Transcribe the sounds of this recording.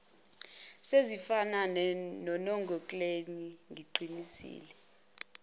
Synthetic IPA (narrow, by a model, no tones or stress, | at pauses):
sezifananɔnɔŋɡʱɔkʼleniŋɡʱiǃʱinisḭːlɛ